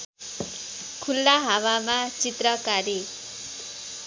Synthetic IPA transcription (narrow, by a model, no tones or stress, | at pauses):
kʰulːaɦawamat͡sit̪rʌkaɾe